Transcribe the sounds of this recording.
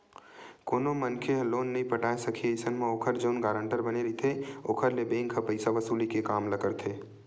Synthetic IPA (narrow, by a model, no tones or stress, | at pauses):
koːnomənkʰeɦloːnːɐɦĩpəʈaːesɐkʰieːsənmẽoːkʰəɾd͡ʒɐʊnɡaːɾə̃ɳʈəɾbəneɾit̪ʰeoːkʰəɾlebẽːŋkʰapəɪsaʋəsuːlikekaːmlɐkəɾt̪ʰeː